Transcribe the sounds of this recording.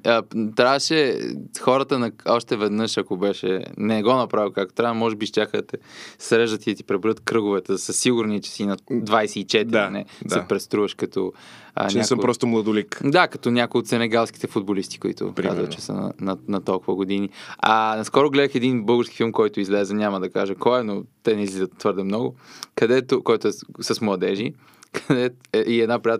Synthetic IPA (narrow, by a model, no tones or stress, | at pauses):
ət̪ɾavʃɛxɔɾət̪ənɐɔʃt̪ɛvɛd̪nɤʃɐkobɛʃɛ̰nɛɡɔnɐpɾavilˠkak̚t̪o̥t̪ɾavmɔʒɛbiʃt̪jaxət̪ɛsɾɛʒət̪id̪ɐt̪i̥pɾɛbuɾət̪kɾɤɡʊvɛt̪ɛd̪ɐsəsiɡʊɾnit͡ʃɛ̥sinɐd̪vajsɛit͡ʃɛt̪iɾanɛsɛpɾɛst̪ɾuvɐʃkɐt̪ɔ | ə̰nɛɛaksəmpɾɔst̪omlˠəd̪ʊlikd̪akɐt̪ɔnʲakojot̪sɛnɛɡalˠskʲi̥t̪ɛfud̪̚bolist̪i̥kʊḭt̪ʊ̰pɾa̰zvə̰t̪t͡ʃɛ̥sə̰n̰nɐnɐt̪ɔlˠkʊvəɡod̪iniɐnɐskɔɾʊɡlɛd̪əxɛd̪inbɤlˠɡəɾskʲifilˠmkɔjt̪ʊizlɛzɛnʲamɐd̪ɐkaʒəkɔɛnot̪ɛnɛizlizət̪ːvɤɾd̪ɛmnɔɡʊkɐd̪ɛt̪okɔjt̪ʊɛsɐsmlˠɐd̪ɛʒi | kʰɐd̪ɛɛʔiɛd̪napɾijat̪